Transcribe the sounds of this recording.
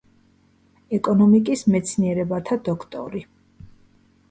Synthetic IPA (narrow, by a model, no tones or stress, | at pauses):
ɛkʼɔnɔmikʼismɛt̪sʰniɛɾɛbat̪ʰad̪ɔkʰt̪ʼɔ̰ɾi